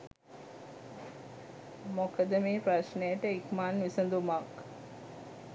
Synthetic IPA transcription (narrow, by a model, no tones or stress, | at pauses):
mokəd̪əmeːpɾaʃnejəʈəikmaːnʋisənd̪umak